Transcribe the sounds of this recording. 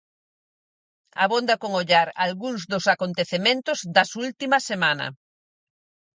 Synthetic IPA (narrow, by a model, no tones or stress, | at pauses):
a̰βond̪ɐkoŋoʎaɾalɣuŋzðʊsakont̪eθemẽnt̪ʊzd̪ɐsult̪imɐsemanɐ̰